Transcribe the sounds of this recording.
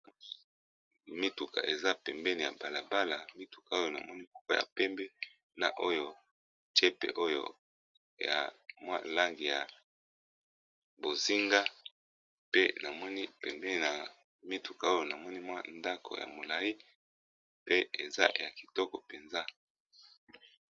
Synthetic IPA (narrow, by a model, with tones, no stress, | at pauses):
mi˦tu˨ka̰˨ʔe˨za˦pɛ˨mbɛ˦ni˨ja̰˨ba˨la˨ba˦la˨mi˦tu̥˨ka˨o˦jo˦na̰˨mɔ˦ni˦ku̥˦ka˦ja̰˨pɛ˦mbɛ˦ | na̰˨ʔo˦jo˦ | tɛ˦pḛ˨ʔo˦jo̰˦˨ | ja̰˨mwa̰˦la˦ŋɡi˨ja˨ | bo˨zi˦ŋɡa˦ | pe˦na˨mɔ˦ni˦pɛ˨mbɛ˦ni˨na˨ | mi˦tu˨ka˨o˦jo˨na˨mɔ˦ni˦mwa˦nda˦kʰo̰˨ja̰˨mo˨la˨ji˦ | pe˦e˨za̰˦ja˨ki̥˨tɔ˦kɔ˨pe˨nza˦